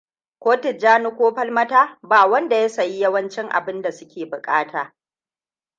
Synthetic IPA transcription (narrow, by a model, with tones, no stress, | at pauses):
kʷoː˦tɪ˨d͡ʒaː˦nu˦kʷoː˦ɸɐ˦lmɐ˦taː˦baː˨wɐ˦nda˨ja˦sɐ˨ji˦jɐ˦wɐ˦nt͡ʃɪ˦ŋʔa̰˨bɪ˦nda˨sʊ˦kʲeː˨bʊ˨kʼaː˦tʰaː˨